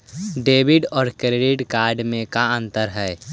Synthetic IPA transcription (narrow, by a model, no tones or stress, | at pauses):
ɖeːbɪɖɔːɾkɾeɖɪʈkaːɾɖmẽkaə̃nt̪əɾɦɛː